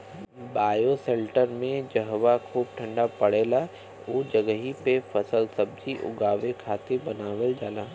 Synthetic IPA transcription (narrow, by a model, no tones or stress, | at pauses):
baːjoseːlʈəɾmẽd͡ʒəɦʋakʰuːb̚ʈʰə̃ɳɖapɐɽeːla | oːd͡ʒəɡəɦipefɐsəlsɐb̚d͡ʒiʔʊ̰ɡaːʋekʰaːt̪ebɐnaːʋəld͡ʒaːlaː